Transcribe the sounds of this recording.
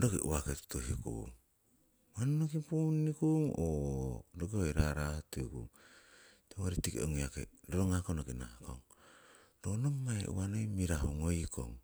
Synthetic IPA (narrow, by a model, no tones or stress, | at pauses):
dokeʔṵaketu̥tohikṵŋ | mannokipunːikuŋodoɡeojɾaɾatikṵŋ | toŋoɾitikḛoŋiakḛdoɾoŋakonokina̰ko̰ŋ | donomːaḛʔṵwanojmiɾaɦuŋojko̰ŋ